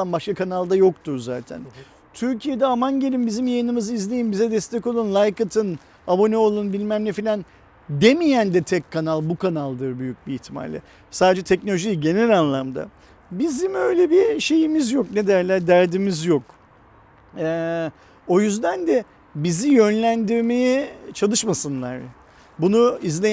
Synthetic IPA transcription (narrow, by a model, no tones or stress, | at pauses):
anbaʃkakʰanalˠd̪ajo̞kt̪ʰuɾza̰ːt̪ʰæ̰n | t̪ʰyɾcʰije̞d̪ɛamaɲɟelʲimbizimjajɯnɯmɯzɯizlʲe̞jimbizɛd̪ɛst̪ʰɛco̞lˠunlˠajkɯt̪ʰɯn | abo̞neolˠunbilʲmæmlʲɛfilʲan | d̪e̞mijænd̪ɛt̪ʰɛkʲkʰːanalˠbukʰanalˠd̪ɯɾbyjyc̚biːçt̪ʰima̰lʲːɪ̰ | saːd̪ed͡ʒɛt̪ʰɛcnolʲoʒijɟe̞nɛlʲanlˠamd̪a̰ | bizimø̞jlʲebiʃe̞jimizjokned̪æɾlʲæɾd̪æɾd̪imizjok | ɛː | o̞jyzd̪ænd̪ɛ | bizijønlʲænd̪iɾme̞jɛt͡ʃʰalˠɯʃmasɯnlˠa̰ɾ̥ | bunuizlʲe